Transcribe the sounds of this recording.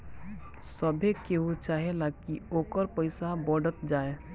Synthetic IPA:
səbʱekeɦut͡ʃaːɦelakioːkəɾpəɪsabɔɖət̪d͡ʒaːe

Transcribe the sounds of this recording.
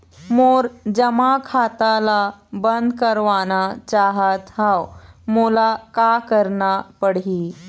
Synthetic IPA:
moɾd͡ʑəmakʰat̪alabənd̪kəɾʋanat͡ɕaɦət̪ɦawmolakakəɾɳapəɽi

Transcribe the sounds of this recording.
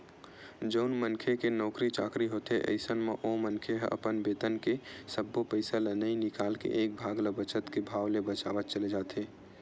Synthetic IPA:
d͡ʒəʊnmənkʰekenɔːkɾit͡ʃa̰ːkɾiɦoːt̪eʔə̰ɪsənmeʔomənkʰeɦə̰pənbeːt̪ənkesəbːopəɪsalənəinɪkaːlkḛʔeːk̚bʱaːɡləbət͡ʃət̪kebʱaːwlebət͡ʃa̰ːʋət̪̚t͡ʃəled͡ʒaːt̪eː

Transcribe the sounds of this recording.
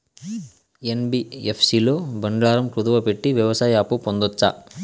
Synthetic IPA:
enbiepʰsiːlo̞ːbɐɳɖɭaːɾɐmkɾud̪ɐʋɐpeʈːiʋjɐʋɐsaːjaːpupond̪ot͡ʃːa̰

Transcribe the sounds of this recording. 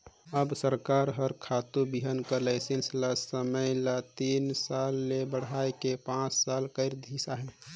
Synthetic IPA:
əbsəɾkaɾɦəɾkʰat̪ubiɦənkəlaɪsenslasəməjlat̪iːnsalːebəɽ̤ajkepãt͡ʃsalkəɪɾd̪ʱisaɦɛ̃

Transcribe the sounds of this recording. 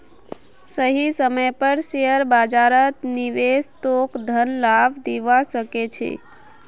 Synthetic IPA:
səɦisəməjpəɾʃeəɾbad͡ʒaɾət̪niʋest̪okd̪ʱənlabd̪iʋaʃəket͡ʃʰḛ

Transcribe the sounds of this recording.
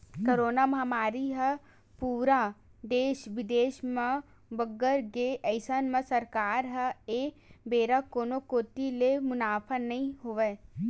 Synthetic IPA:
kəɾoːnamɦɐmaːɾiɦə | puːɾad̪eːʃʋɪd̪eːʃmə̃ | bəɡəɾɡeʔəɪsənmə̃sɐɾkaːɾɦəe | beːɾakoːnokoːt̪ilemʊnaːpʰənɐɦĩɦoʋe

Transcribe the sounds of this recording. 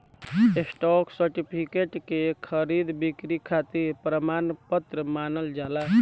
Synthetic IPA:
esʈɔksəɾʈipʰikeʈkekʰəɾid̪bikɾikʰat̪iɾpɾəmanpət̪ɾəmanəld͡ʒala

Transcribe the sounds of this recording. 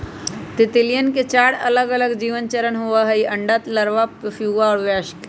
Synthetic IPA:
t̪ɪt̪ɪlijənket͡ʃaːɽɐləɡɐləɡd͡ʒiːʋənt͡ʃəɾənɦuaɦɐiʔɐ̃ɳɖat̪ləɾʋappʰjuːʋaɔːɾʋaːʃk

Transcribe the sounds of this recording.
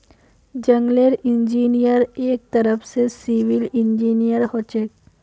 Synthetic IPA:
d͡ʒɐ̃ŋɡleɾɪ̃nd͡ʒiːnijəɾeːk̚t̪əɾəfsesiʋilɪ̃nd͡ʒiːnijəɾhoːt͡ʃek

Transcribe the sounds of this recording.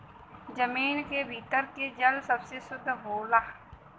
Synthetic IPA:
d͡ʒəmiːnkebʱiːt̪əɾked͡ʒəlsəbsesʊd̪ʱboːlaː

